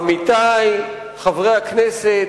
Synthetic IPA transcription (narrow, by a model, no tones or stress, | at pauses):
mit̪aj | χavʁejaknese